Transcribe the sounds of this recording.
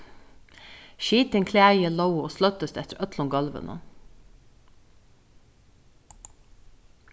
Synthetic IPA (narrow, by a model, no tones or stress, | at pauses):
ʃiːt̪əŋkʰleæɪələʊoːslœt̪əst̪ɛt̪əɾœt̪ʰlʊŋɡɑlʋə̰nʔə̰